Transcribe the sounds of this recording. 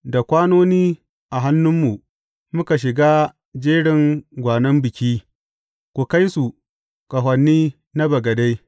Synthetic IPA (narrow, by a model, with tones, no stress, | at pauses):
da˨kʷaː˦noː˦niː˦ | ʔa˨ɦa˦nːʊ˦mːu˨ | mʊ˦ka˨ʃ̬ɪ˨ɡaː˦ | d͡ʒeː˦ɽɪ˨ŋɡʷaː˨nɐ˦mbɪ˨kʲiː˦ | kʷu˨ka˦jsu˨ | kɐ˨ɦʷɐ˨nːiː˦ | na˦bɐ˨ɡɐ˨da˦j